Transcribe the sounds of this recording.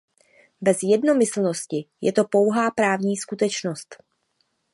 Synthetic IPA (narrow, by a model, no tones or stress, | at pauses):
bɛzjɛdno̞mɪsl̩no̞scɪjɛ̰t̪o̞po̞wɦaːpɾaːvɲiːskut̪ɛt͡ʃno̞st̪